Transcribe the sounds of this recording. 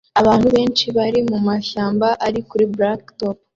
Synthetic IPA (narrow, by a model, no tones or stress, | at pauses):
aβaːnhuβe̞ːnt͡ʃiβaɾimumaʃaːmbaʔaɾikuɾibɾaktop